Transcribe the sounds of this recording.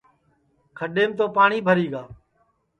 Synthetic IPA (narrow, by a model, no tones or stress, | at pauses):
kʰəɗeːmt̪oːpaːɳiːbʱəɾiːɡaː